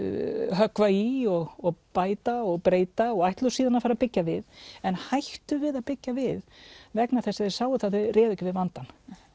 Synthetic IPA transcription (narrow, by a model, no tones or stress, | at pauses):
ɦœkvaiɔɣɔɣpaːjt̪aɔɣpɾeːjt̪aɔɣajht̪lʏsiːðanafaɾapɪcːavɪðɛnhajht̪ʏvɪðaðpɪcːavɪðvɛknaθɛsːaðɪ̥saːwʏθaðvɪrɛːðɛcɪvɪðvant̪an